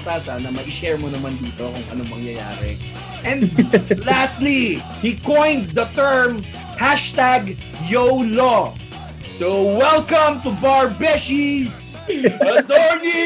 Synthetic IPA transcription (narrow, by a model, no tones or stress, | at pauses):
t̪asaːnɐmɐʔɪʃɛɹmonɐmand̪iːt̪okʊ̰ŋʔɐ̰nomɐŋjɐja̰ːɾɛ̰ | ʔɛ̃nd̪last̪li | hikɔ̃jnd̪d̪ɐt̪ɛɹm | haʃt̪aɡ | jowlo | sowɛlkɐ̃mt̪ʊbaɹbɛʃis | ɐt̪ɔɹni